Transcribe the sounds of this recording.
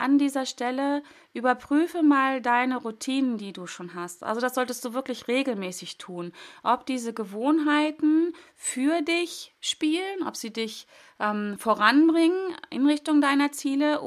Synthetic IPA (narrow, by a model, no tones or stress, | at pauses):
ʔandiːzɐʃtɛlə | ʔyːbɐpʁ̥yːfəmaːldaɪnəʁutʰiːnəndiːduːʃoːnɦastʔa̰lzodasz̥ɔltəst̚d̥uːvɪɐklɪçʁeːɡl̩mɛːsɪçtʰuːnʔɔpd̥iːzəɡəvoːnɦaɪtn̩ | fyːɐdɪçʃpiːlənʔɔ̰pz̥iːdɪç | ʔɛːmfoʁanbʁɪŋənʔɪ̰nʁɪçtʊŋdaɪnɐt͡siːləʔ